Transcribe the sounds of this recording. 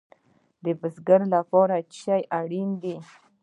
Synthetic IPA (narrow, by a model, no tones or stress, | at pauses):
d̪əbəzɡaɾlapɑɾat͡ʃajʔaɽind̪i